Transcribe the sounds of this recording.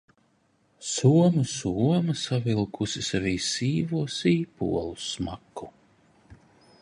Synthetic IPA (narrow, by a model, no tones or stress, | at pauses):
suɔmɨsuɔmɐsavilˠkusisaviːsiːvuɔsiːpṵɔlˠusmaku